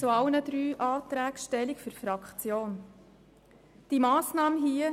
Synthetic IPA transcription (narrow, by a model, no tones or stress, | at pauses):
t͡suɑʊnəd̪ɾyːʔɑːt̪ɾæːkʃtɛlikfyɾfɾɑkχt͡sjoːn | d̥imɑːsnɑːməɦiə